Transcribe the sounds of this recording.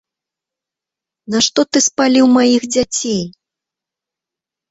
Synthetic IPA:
naʂt̪ɔt̪ɨspalʲiwmajixd͡zʲat͡sʲej

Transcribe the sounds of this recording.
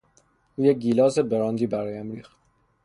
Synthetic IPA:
ʔuːjec̚ɡiːlɒːzebeɾɒːnd̪iːbæɾɒːjæmɾiːxt̪̚

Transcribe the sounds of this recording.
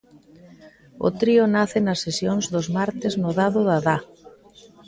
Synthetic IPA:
ʊ̰t̪ɾiʊnaθɪnɐsːesjoŋzðʊzmaɾt̪ɪznoðaðʊðaða

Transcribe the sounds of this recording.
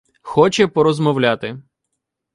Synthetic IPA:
xɔt͡ʃɛpɔɾɔzmɔwlʲat̪ɪ

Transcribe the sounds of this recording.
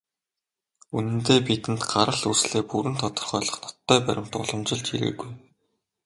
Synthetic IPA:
unɘ̆nt̪eːpit̪ɘ̆nt̪ɢaɾə̆ɮusɮeːpuɾɘ̆nt̪ʰɔt̪ɞ̥̆rχœːɮɞ̆χnɔt̪ːœːpæɾʲɪ̆m̥t̪ʊ̰ɮɞ̆mt͡ɕɪ̆ɮt͡ɕḭɾɘ̰ːɡuj

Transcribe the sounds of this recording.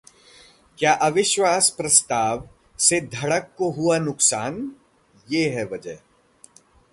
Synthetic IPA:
kjaːʔɐʋɪʃʋaːspɾɐst̪aːʋ | sed̪ʱɐɽəkːoɦuanʊksaːn | jeːɦɛʋɐd͡ʒə

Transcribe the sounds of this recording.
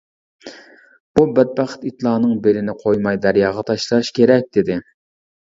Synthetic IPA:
b̥ubɛd̪̚bæχɨ̥t̪it̪lˠɑːnɨŋbelɪnɪqʰojmɑjd̪æɾjɑːʁɑt̪ʰɑʃlˠɨɾʃkʲeɾɛk̚ʲd̪̥ɪd̪ɪ

